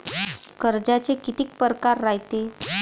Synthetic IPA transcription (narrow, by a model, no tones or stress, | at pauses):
kəɾd͡ʑat͡ɕekit̪iːk̚pəɾkaɾːajt̪e